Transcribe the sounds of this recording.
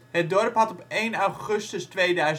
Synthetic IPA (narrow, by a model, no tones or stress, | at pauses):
hət̚dɔrpɦɑtɔpejnawχɵstəstʋejdœɥz